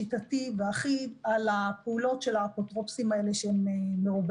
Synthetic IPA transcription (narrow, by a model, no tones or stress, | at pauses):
itativeaχidalapeulo̞tʃelapotʁo̞psimae̞leʃeemeːeʁub